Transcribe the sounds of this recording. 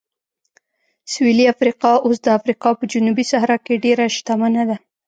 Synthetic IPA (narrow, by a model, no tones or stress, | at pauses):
swiliafɾiqɑʔos̬d̪əafɾiqɑpəd͡ʒunubisaɦɾɑkeɖeɾaʃt̪amanad̪a